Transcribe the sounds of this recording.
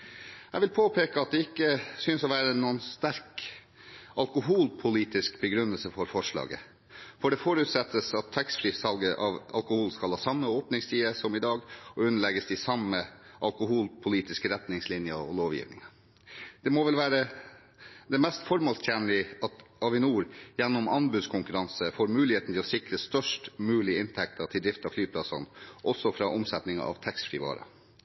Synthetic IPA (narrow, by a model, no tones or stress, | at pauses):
ɛʋɪlpʰoːpʰeːkəɑt̪̚d̪ɛɪkːəsʏnsɔʋæːɾənuːənst̪æɾk | ɑlkʊɦuːlpʰʊliːt̪ɪskbəɡɾʉnːəlsəfɔɾfɔʂɭɑ̰ːɡə̰ | fɔɖɛfɔɾʉːt̪sɛt̪ːəsɑt̪ʰːɛkst̪fɾiːsɑlɡəʔɑʋɑ̰lkʊhuːlskɑlhɑːsɑmːəoːpnɪŋst̪ʰiːəsɔmɪd̪ɑːɡɔʉnːəɭɛɡəsɪsɑməʔɑlkʊɦuːlpʰʊliːt̪ɪskəɾɛt̪nɪŋslɪnjəɔ̰loːʋjɪ̰ːʋnɪ̰ŋə | d̪̥ɛmoʋɛlʋæːɾə | d̪ɛmɛst̪fɔɾmolst̪ʰjænlɪɑt̪ɑʋɪnuːɾjɛnːɔmɑnbʉd̪skʰʊŋkʉɾɑnsəfoːɾmʉːlɪheːt̪n̩t̪ʰɪlɔsɪkɾəst̪œʂʈmʉːlɪɪnt̪ʰɛkt̪ʰətʰɪld̪ɾɪft̪ɑflyːpʰlɑsɑ̰nʔɔsɔfɾɑʔɔmsɛt̪nɪŋɑ̰ʔɑ̰ʋt̪ʰɛksfɾɪʋɑ̰ːɾɑ̰